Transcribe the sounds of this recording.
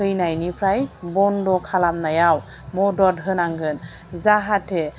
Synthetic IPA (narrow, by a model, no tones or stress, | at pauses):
ɯjnajnipʰɾajbɔndɔkʰalamnajaw | mɔdɔd̚ɦɯnaŋɡɯn | zaɦatʰɛ